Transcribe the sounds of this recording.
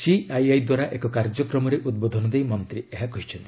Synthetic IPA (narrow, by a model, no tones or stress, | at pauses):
siajajd̪waɾaʔekɔkaɾd͡ʒɔkɾɔmɔɾeʔud̪̚bod̪ʱɔnɔd̪ejmɔnt̪ɾieɦakɔɦit͡ʃʰɔnt̪i̥